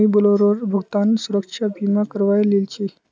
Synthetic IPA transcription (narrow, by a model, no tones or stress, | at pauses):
ibəloɾoɾbʱəɡt̪ansuɾəkʂʰabʱimakəɾʋajlelt͡ɕi